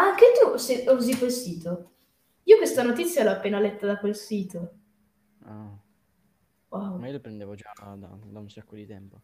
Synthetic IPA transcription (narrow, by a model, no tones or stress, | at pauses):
aŋk̟et̪useuzikwelsiːt̪o | iːokwest̪anot̪it̪sːjalɔapːeːnalɛt̪ːad̪akwelsiːt̪o | a | wawmaiolopɾend̪evod͡ʒad̪a̰d̪aunsakːod̪it̪ɛmpo